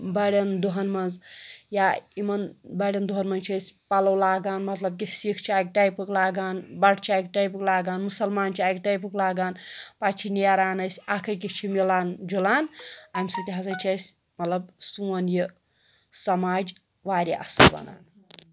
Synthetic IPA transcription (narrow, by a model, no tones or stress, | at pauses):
bɐɽɐnd̪uɦɐnmɐnzjaimɐnbɐɽʲɐnd̪uɦɐnmɐnt͡ʃʰɐsʲpalɐwlaːɡaːnmɐt̪lɐb̚k̬isikʰt͡ʃʰiaːjk̚ʈajpɨklaːɡaːnbɐɽt͡ʃʰaːjkʈajp̬ɨklaːɡaːnmusɐlmaːnt͡ʃʰaːjkʈajp̬ɨklaːɡaːnpat͡ʃʰiniaɾaːnɐsʲakʰɐk̬it͡ʃʰimilaːnd͡ʒulaːnamʲsɐt̪ʲiɦasɐt͡ʃʰɐsʲ | mɐt̪lɐbsuɐnji | sɐmaːd͡ʒ | ʋaːɾʲiʔa̰sɐbɐ̰na̰ːn